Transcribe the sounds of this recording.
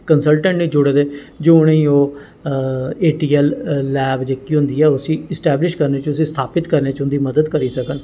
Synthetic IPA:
kənsəlʈə̃ɳʈnĩːd͡ʒʊɽed̪eːd͡ʒoːɽ̃eĩːoː | eːʈiːɛlːɛːbd͡ʒeːkiːɦʊ̃nd̪iːɛːʊsĩːɪsʈɛːblɪʃkəɾneːt͡ʃʊsĩːst̪ʰaːpɪt̪kəɾneːt͡ʃɦʊ̃nd̪iːməd̪əd̪kəɾiːsəkən

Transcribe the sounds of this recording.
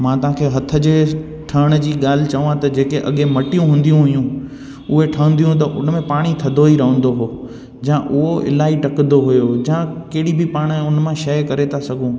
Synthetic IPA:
mãːt̪ɐɦãːkʰeːɦɐt̪ʰə̆d͡ʑeː | ʈʰɐɽ̃ə̆d͡ʑiːɠaːl̤ɪ̆t͡ɕɐʋãt̪ɐd͡ʑeːkeʔɐɠẽmɐʈijũɦũːnd̪ijũɦʊjũ | ʊɦeʈʰəə̃nd̪ijũt̪ɐʔʊnəmẽpaːɽ̃it̪ʰɐd̪ʱoɦiɾɐɦə̃n̆d̪oɦoː | d͡ʑãːʔʊɦoɪ̰laːiʈɐknd̪oɦʊjod͡ʑãːkeɦɪɽibʱɪpaːɽ̃ʊn̆mãʃɐjkɐɾet̪ʰasɐɡʱũː

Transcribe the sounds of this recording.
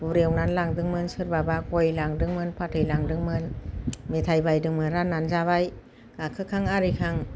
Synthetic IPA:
b̥uɾiəwnanlaŋdɯŋmɯnsɯɾbabakojlaŋdɯŋmɯnpʰatʰɯjlaŋdɯŋmɯnmet̪ʰajbajdɯŋmɯnɾanːanzabaj | kakʰɯkʰaŋaɾikʰaŋ

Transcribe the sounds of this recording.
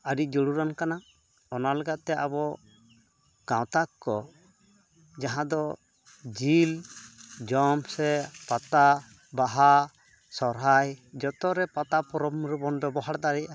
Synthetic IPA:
aɖid͡ʒɔɽuɾankana | ɔnalɛɡat̪ɛʔabɔ | kãwt̪akːɔ | d͡ʒaɦãd̪ɔ | d͡ʒil | d͡ʒɔmsɛpat̪a | baɦa | sɔɾɦajd͡ʒɔt̪ɔɾɛpat̪apɔɾɔmɾɛbɔnɖɔbɔɦaɽd̪aɾɛʔa

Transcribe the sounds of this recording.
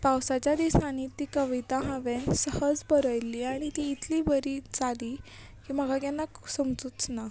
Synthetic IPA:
pawsat͡ɕjad̪isañit̪iːkəʋit̪aɦãʋensəhəd͡zbəɾəjliaɽ̃it̪iːt̪ʰlibəɾit͡sad̪i | kiːm̤əɡaɡɛnːaksəmd͡zut͡sna

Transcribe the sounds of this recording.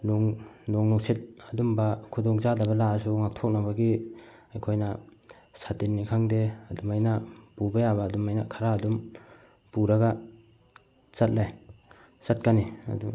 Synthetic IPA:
lɔŋlɔŋnɔksit̚ɐdumbakʰudɔŋzadabɐlaas̬uŋak̚tʰɔk̚nabaɡi | ajkʰojna | satinːikʰaŋdeadumajnapubajaβaːdumajnakʰaɾaːdum | puɾaɡa | sat̚laj | sat̚kania̰dṵ

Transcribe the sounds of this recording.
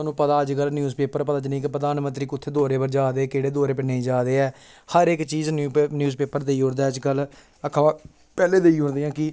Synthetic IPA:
nũːpət̪aːəd͡ʒkəlnjuːzpeːpəɾpət̪aːt͡ʃnəĩːkɪpɾəd̪aːnmənt̪ɾiːkʊt̪ʰːeːd̪oːɾeːbəɾd͡ʒaːd̪eːkeːɽeːd̪oːɾeːpənəĩːd͡ʒaːd̪eːɛː | həɾɪkt͡ʃiːznnjuːzpeːpəɾd̪eːiːɦõnd̪aːəd͡ʒkəl | əkʰaãː | pɛːleːd̪eːiːɦʊ̃nd̪eːãːkɪ

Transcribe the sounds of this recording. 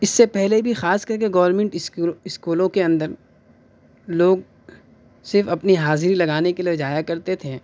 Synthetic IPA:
ɪsːepɛɦlebʱixaːskɐɾk̬eɡɐːʋəɾmɛ̃ɳʈɪsɪskuːlõkeɐ̃nd̪əɾ | loːɡ | sɪɾfɐpniɦaːzɾilɐɡaːnekelied͡ʒaːjakɐɾt̪et̪ʰeː

